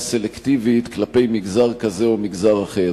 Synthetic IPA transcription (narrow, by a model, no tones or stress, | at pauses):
se̞lekt̪ivit̪klape̞jmiɡzaʁkazeomiɡzaʁaχeʁ